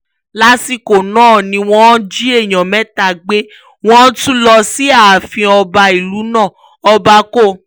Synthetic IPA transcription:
la˨˦si˦˨ko˨nãː˦˨nĩ˧w̃ɔ̃˦d͡ʒi˦e˦˨j̃ã˨mɛ̃˨˦ta˨ɡ͡be˦ | w̃ɔ̃˦tũ˦lɔ˧si˦a˨a˨fĩ˧ɔ˧ba˧i˨lu˨˦nã˦˨ | ɔ˧ba˧˦ko˦˨

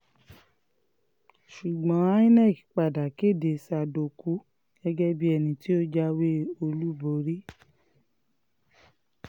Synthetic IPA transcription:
ʃu˨ɡ͡bɔ̃˨˦ĩ˦nɛ̃˦˨ki̥˨˦k͡pa˨da˨ke˦˨de˨˧sa˧˨do˧˨ku˨˦ | ɡ̥ɛ˦ɡɛ˦bi˦ɛ˧nĩ˧ti˦o˦d͡ʒa˦we˦o˧lu˦bo˧˦ɾi˦

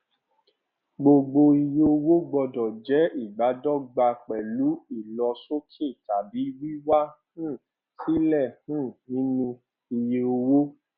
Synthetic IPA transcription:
ɡ͡bo˧ɡ͡bo˧i˧je˧o˧wo˦ɡ͡bɔ˧dɔ˨d͡ʒɛ˨˦i˦˨ɡ͡ba˨˦dɔ˦˨ɡ͡ba˧k͡pɛ˨lu˨˦i˦˨lɔ˧so˦kʰe˦˨ta˨bi˨˦wi˦wa˦hũ˦˨ | si˦lɛ˦˨hũ˦˨nĩ˨˦nũ˧ | i˧je˧o˧wo˦

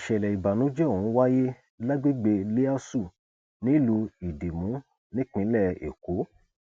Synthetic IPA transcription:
ʃɛ˨lɛ˨i˨ba˨nũ˨˦d͡ʒɛ˦o˨hũ˨˦wa˦je˦ | la˦ɡ͡be˦ɡ͡be˧le˦a˦su˦˨ | nĩ˦lu˧i˨de˨mũ˨˦ | nĩ˦k͡pĩ˨˦lɛ˦˨ḛ˨ko˨˦

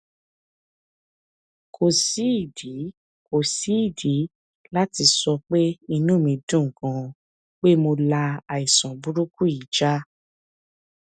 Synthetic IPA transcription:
kʰo˨si˨˦˨di˨˦ | ko˨si˨˦˨di˨˦ | la˦ti˧sɔ˧k͡pe˦i˧nũ˦˨mĩ˧dũ˦˨ŋ˨kɔ̃˧ | k͡pe˦mo˧la˧a˨i˨sɔ̃˨bu˦ɾu˦ku˦i˨d͡ʒa˦

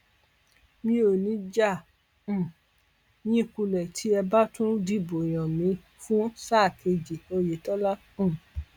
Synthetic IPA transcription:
mĩ˧o˨nĩ˨˦d͡ʒã˦˨ | jĩ˦ku˧lɛ˨tʰi˨˦ɛ˧ba˦tũ˦di˦˨bo˨j̃ɔ̃˨mĩ˨˧˦ | fũ˦sa˦˨ke˧d͡ʒi˨o˧je˨˦tɔ˦la˦ | ũ˦˨

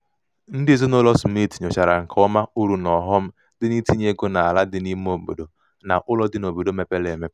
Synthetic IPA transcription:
n̩˦dɪ˦zʊ˦nʊ˦lɔ˦smi˦˨tɲɔ˨t͡ʃa˨ɾa˨ŋ̩˨kʰɔ˦ma˦u˦ɾu˦nɔ˨ɦɔ˦m̩˦ | dɪ˦ni˦ti˦ɲe˦ɡo˦na˨a˨la˦dɪ˦ni˦m˦o˨bo̰˨do˨ | na̰˨ʔʊ˦lɔ˦dɪ˦no˨bo˨do˦me˦pe˦le˨me˦pe˦

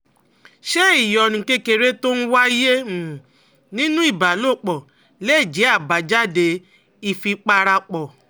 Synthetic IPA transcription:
ʃe˦i˦˨jɔ˨nĩ˨ke˧ke˧ɾe˦to˦n̩˦wa˦i˦je˦˨ | nĩ˦nũ˦i˦˨ba˨˦lo˦˨k͡pɔ˨ | le˦i˦˨d͡ʒe˨˦a˦˨ba˨˦d͡ʒa˦de˧ | i˦˨fi˧k͡pa˧ɾa˧k͡pɔ˨

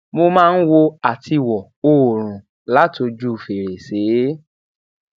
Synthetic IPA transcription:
mo˧mãː˦˧n̩˦wo˧a˨tʰi˧wɔ˨ | o˦˨ɾ̃ũ˨ | la˦to˧d͡ʒu˦˨fe˨ɾe˨seː˨˦

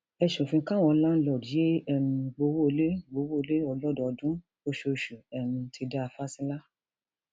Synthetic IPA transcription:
ɛ˧ʃũ˨fĩ˧˦kã˦˨w̃ɔ̃˧˦lã˦n̩˦lɔ˨ɾi˨je˦ɛ˦˨mĩ˧ɡ͡bo˧wo˦˧le˦ɡ͡bo˧wo˦˧le˦ɔ˧lɔ˦dɔ˧ɔ˧dũ˦ | o˧ʃo˧˨ʃu˨ɛ˨mĩ˧tʰi˧da˦a˧fa˦sĩ˦la˦

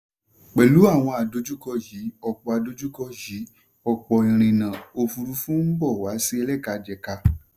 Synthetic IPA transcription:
k͡pɛ˨lu˨˦a˦˨w̃ɔ̃˧a˨do˨˦d͡ʒu˦kɔ˧ji˨˦ɔ˧˨k͡pɔ˧a˨˧do˧˦d͡ʒu˦kɔ˧ji˨˦ | ɔ˧k͡pɔ˨ĩ˨ɾ̃ĩ˨nã˨o˧fu˧ɾu˧˦fũ˦m̩˦bɔ˦˨wa˨˦si˦ɛ˧lɛ˦˨ka˧d͡ʒɛ˨ka˧

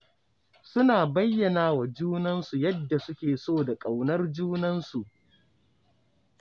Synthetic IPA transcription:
sʊ˦naː˨bɐ˦jːɐ˨naː˦wa˨d͡ʒuː˦nɐ˦nsu˨jɐ˦dːa˨sʊ˦kʲeː˨soː˦˨da˨kʼa˨wnɐ˦rd͡ʒuː˦nɐ˦nsu˨ʔ

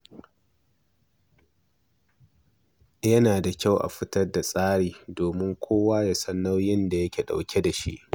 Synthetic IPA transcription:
jɐ˦naː˨da˨kʲa˦˨wʔa̰˨ɸɪ˦tɐ˦rda˨sʼaː˦ɽiː˨doː˨mɪ˦ŋkʷʰoː˦waː˦ja˨sɐ˦nːɐ˦wjɪ˦nda˨jɐ˦kʲeː˨ɗa̰˨wkʲe˦da˨ʃḭ˦ʔ

